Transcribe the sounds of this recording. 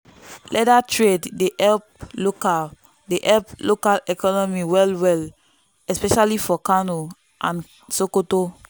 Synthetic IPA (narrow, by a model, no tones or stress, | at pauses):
lɛdatʰɹeddeʔɛlp̚loka | deʔɛlplokalɛkɔnɔmiwɛlwɛl | ɛspɛʃalifɔkãno | ʔãn | sokoto